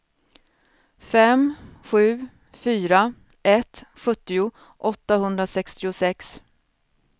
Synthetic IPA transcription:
fɛmɧʉ̟ː | fyːɾa | ɛt̪ɧɵt̪ːɪʊ | ʔɔt̪ːahɵnd̪ɾasɛkst̪ɪʊsɛks

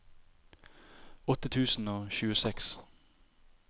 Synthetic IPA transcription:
ɔt̪ət̪ʰʉːsn̩oːçʉːəsɛks

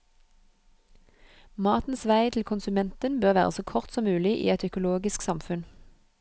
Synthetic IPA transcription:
mɑːt̪n̩sʋæɪt̪ʰl̩kʰʊnsʉmɛnt̪ənbøːʁʋæ̰ːʁə̰soːkʰɔʁt̪sɔmmʉːlɪʔḭːɛt̪œkʊloːɡɪsksɑmfʉn

